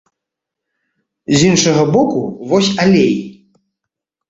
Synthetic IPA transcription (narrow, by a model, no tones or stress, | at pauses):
zʲinʂɐɣɐbɔkuvɔsʲalʲej